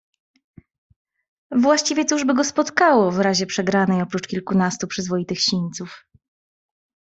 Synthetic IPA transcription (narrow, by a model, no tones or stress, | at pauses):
vwaɕt͡ɕivʲjɛt̪uʐbɘɡɔspɔt̪kawɔvɾaʑɛpʂɛɡɾanɛjɔpɾut͡ʂkʲilkunast̪upʂɘzvɔjit̪ɘxɕiɲt̪suf